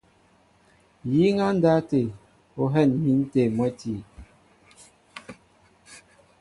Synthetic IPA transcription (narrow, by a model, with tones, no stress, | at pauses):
ji˨˦ŋa˦n̩˦da˦te˨ | o˦ɦɛ˦˨nmi˨˦n˦te˨mwɛ˦ti˨